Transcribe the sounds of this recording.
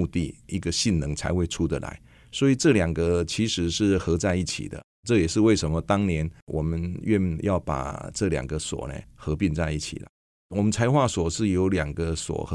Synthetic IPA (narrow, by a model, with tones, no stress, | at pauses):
u˥˧t̪i˥˩i˧˥ɡə˧ɕi˥˩nnə˧˥ŋt͡sʰa̰˧ɪwe˥˧ɪʈ͡ʂʰu˥d̪ə̰˨la̰˧˦ɪ | swɔ˧˥i˨˩ʈ͡ʂɤ˥˩ljɑ˨˩ŋɡə˧t͡ɕʰi˧˥ʂɻ̩˧˥ʂɻ̩˥˩xɤ˧˥t͡sa˥˧ɪi˥˩t͡ɕʰḭ˨˩d̪ə̰˦ | ʈ͡ʂɤ˥˩jɛ˨˩ʂɻ̩˥˧we˥˩ɪʂə˧˥nmə˧t̪ɑ˥ŋnjɛ˧˥nwʔɔ˨˩mə˦nɥɛ˥˧˨njʔɑ˥˩ʊpa̰˨˩ʈ͡ʂɤ˥˩ljɑ̰˨˩ŋɡə˦swɔ̰˨˩nḛ˨˩xɤ˧˥pi˥˧nt͡sa˥˧ɪi˥˩t͡ɕʰḭ˨˩lə̰˦ | wɔ˨˩mə˦nt͡sʰa˧˥ɪxwa˥˩swɔ˨˩ʂɻ̩˥˩jo˧˥ʊljɑ˨˩ŋɡə˧swɔ̰˨˩x